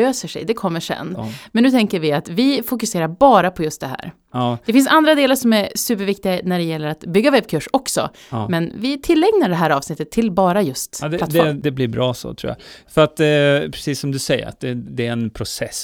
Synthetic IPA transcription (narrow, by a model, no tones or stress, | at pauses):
øːsəʂɛ̰jd̪ɛkʰɔmːəʂɛ̰nːmɛnːʉ̟ːt̪ʰɛŋkəɾvɪat̪vɪfʊkɵseːɾaɾbɑːɾapʰɔjɵst̪d̪ɛɦæ̰ːɾ | d̪ɛfɪnsand̪ɾad̪eːlaɾʂɔmæɾsʉ̟ːpəɾvɪkt̪ɪɡanæɖɛjɛlːəɾat̪bʏɡːavɛbkʰɵʂɔksɔ̰ | mɛnvɪt̪ʰɪlːɛŋnaɖɛɦæːɾɑːvsnɪt̪ːət̪ʰːɪlbɑːɾajɵst̪d̪lat̪fɛd̪ɛblɪɾbɾɑːso̰t̪ʰɾṵːja̰fœɾat̪pʰɾɛsiːsːɔmd̪ɵsɛjːə̰ɾa̰t̪̚d̪ɛd̪ɛɛnpʰɾʊsɛs